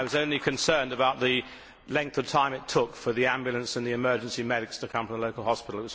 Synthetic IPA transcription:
ɪwʌzõʊ̃nlikʰɨ̃nsɜ̃˞ndɨbaʊt̪̚ðɨ | lɛ̃ŋk̚θəv̥tʰãɪ̃mɨtʰʊkfə˞ðiæ̃mbjl̩ˠə̃nsɨ̃nðiɨmɜ˞d͡ʒ̃n̩simɛɾɨkstʰɨkʰʌ̃ɱfə̃məloʊkl̩ˠhɑspɪɾˡl̩ˠət̚wʌz

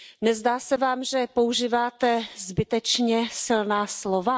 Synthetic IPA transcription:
nɛzdaːsɛvaːmʒɛpo̞uʒiːvaːt̪ɛzbɪt̪ɛt͡ʃɲɛsɪlnaːslo̞va

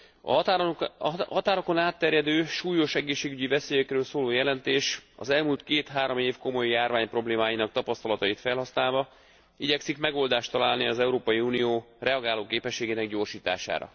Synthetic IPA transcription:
ɒ̰ | ɦɒt̪aːɾoko̞naːt̪ːɛɾjɛd̪øːʃuːjo̞ʃɛɡeːʃːeːɡyɟivɛseːjɛkrøːlsoːloːjɛlɛnt̪eːʃɒ̰zɛlmuːlt̪keːt̪hɦaːɾo̞meːfko̞mo̞jːaːrvaːɲpro̞bleːmaːjinɒk̚t̪ɒpɒst̪ɒlɒt̪ɒjit̪fɛlɦɒsnaːlvɒ | iɟɛksikmɛɡo̞ld̪aːʃt̪ɒlaːlniɒzɛuɾoːpɒjiuːnijoː | rɛɒɡaːloːkeːpɛʃːeːɡeːnɛɡɟo̞ːrʃiːt̪a̰ːʃa̰ːɾɒ̰

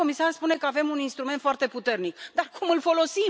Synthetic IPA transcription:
o̞misarspune̞kəave̞muninst̪ɾument̪foart̪e̞put̪e̞rnikd̪arkumɨlfo̞lo̞sim

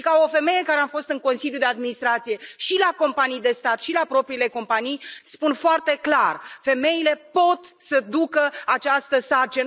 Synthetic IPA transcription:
kao̞fe̞me̞je̞kaɾeafo̞st̪ɨŋko̞nsiljud̪e̞ad̪minist̪ɾat̪sije̞ʃilako̞mpanijd̪e̞st̪at̪ʃilapɾo̞pɾiːle̞ko̞mpanijspunfoart̪e̞klarfe̞me̞jile̞po̞t̪səd̪ukəat͡ʃast̪əsart͡ʃin

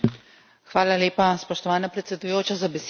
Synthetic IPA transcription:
xʋaːlaleːpaspɔʃt̪ɔʋaːnapɾɛt̪sʲɛd̪ujoːt͡ʃazabɛs

